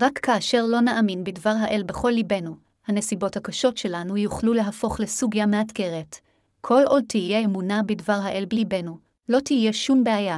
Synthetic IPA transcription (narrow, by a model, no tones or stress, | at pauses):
ʁakːaːʃe̞ʁlo̞naʔaminbidvaʁɦaʔe̞lbe̞χo̞lːibe̞nu | hane̞sibo̞thakaʃo̞tʃe̞lanujuχlule̞ɦafo̞χle̞suɡjameatke̞ʁe̞t | kʰo̞lʔod̚tijjeemunabidvaʁɦaʔe̞lbibe̞nu | lo̞tije̞ʃumbeaja